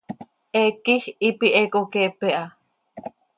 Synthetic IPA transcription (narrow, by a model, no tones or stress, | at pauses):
ʔekihipiʔekokepeʔa